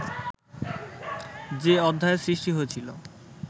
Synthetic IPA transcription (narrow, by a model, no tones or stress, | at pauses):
d͡ʑeɔd̪ʱːaesɾiʃʈiɦoet͡ɕʰilo